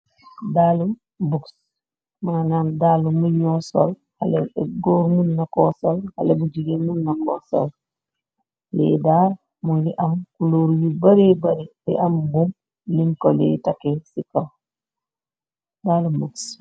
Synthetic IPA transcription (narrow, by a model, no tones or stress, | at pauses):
dalu | buks | manaːndaːlumuɲɔso̰l | ha̰leɡoːɾmunːakosolhalebud͡ʒiɡemunːakoso̰l | lɛ̰daː | munliʔɐmkuloːɾjibɐɾibɐɾilḭʔambum | liŋkolḛtakesikol | daːlumbuks